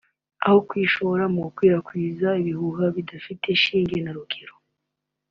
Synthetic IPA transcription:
a̰hokwiːʃo̞βoɾamukwiːɾakwiːzaiβihuɦaβidafite̞ʃiːŋɡenaɾuɡeɾo

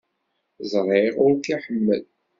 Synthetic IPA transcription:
zˤɾˤeʁʊɾkiħəmːə̰l

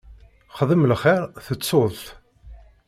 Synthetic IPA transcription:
χəðˤəmlχɪɾθət͡sːoðˤθ

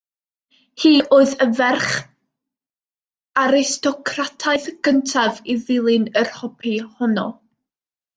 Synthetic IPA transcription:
hiːʔoːɨðəvɛrχ | aɾɪstʰɔkʰratʰaɨðɡ̥əntʰaviðɪlˠɨnərhɔpʰihɔnɔ̰

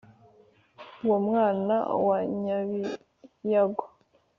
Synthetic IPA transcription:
womŋaːna̰waɲaβi | jaɡo̥

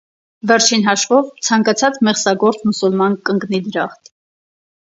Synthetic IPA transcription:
vɛɾt͡ʃʰinɦɑʃvɔvt͡sʰɑŋkɑt͡sʰɑt͡smɛχsɑɡɔɾt͡smusulmɑnkəŋɡnid̪əɾɑχt̪ʰ

